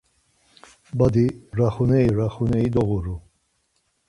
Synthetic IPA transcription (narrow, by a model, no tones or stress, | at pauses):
bad̪iɾaχunɛiɾaχunɛid̪ɔɣuɾu